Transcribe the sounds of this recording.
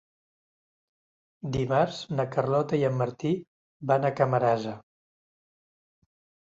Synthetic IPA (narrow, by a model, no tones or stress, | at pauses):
d̪imaɾz̥nəkərlɔt̪əiəmːəɾt̪i | βanəkəməɾazə